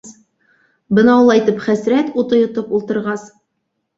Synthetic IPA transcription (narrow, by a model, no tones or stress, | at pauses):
bɤnɑulˠɑjt̪ɤpχæsɾæt̪ut̪ɤ̆jŏt̪ɤpulˠt̪ɤ̆ɾʁɑs